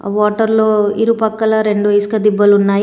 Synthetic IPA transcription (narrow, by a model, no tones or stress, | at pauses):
ʋaːʈɐɾloːiɾupɐkːɐlɐɾe̞ɳɖuɐskɐd̪ibːɐlunːaːji